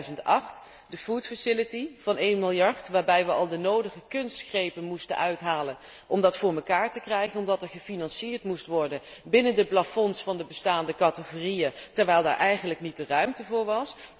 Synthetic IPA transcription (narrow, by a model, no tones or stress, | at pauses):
zəntɑχt | dəfuːtfasɪlətiv̥ɑnejnmɪlˠjɑɹtʋaːɹbɛjʋəʔɑlˠdənowdəχəkɵnstχrejpənmustə̰nʔœɥtɦaːlən | ʔɔmdɑtfʊːɹməkaːɹtəkrɛjχənɔmdɑtɛɹχəfinɑnsiːɹtmustʋɔɹdənbɪnəndəplafɔnsfɑndəbəstaːndəkɑtəχoːrijətɛɹʋɛjlˠda̰ːɹʔɛjχənləknit̚dərœɥmtəvʊːɹʋɑs